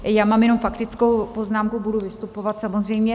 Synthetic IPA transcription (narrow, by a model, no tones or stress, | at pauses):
jaːmaːmjɛno̞mfakt̪ɪt͡skowpo̞znaːmkubuduvɪst̪upo̞vat̪samozr̝ɛjmɲɛ